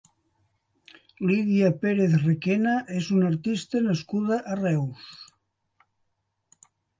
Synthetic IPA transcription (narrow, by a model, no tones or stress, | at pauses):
liðiapeɾeθrekenaʔezunaɾt̪ist̪ənaskuð̞aʔːrɛws